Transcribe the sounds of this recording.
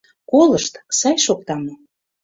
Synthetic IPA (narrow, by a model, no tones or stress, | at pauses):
koləʃt̪sɑjʃok̚t̪ɑmo